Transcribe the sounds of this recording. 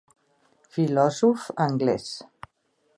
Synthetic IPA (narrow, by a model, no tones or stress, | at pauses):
filɔzufəŋɡlɛs